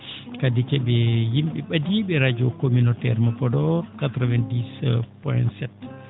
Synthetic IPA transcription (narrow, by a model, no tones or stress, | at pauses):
kadikɛɓɛjimɓɛɓadiɓɛɾad͡ʒokominotɛɾmɔpɔdɔɾkatɾɔvɛndispɔ̰jntsɛt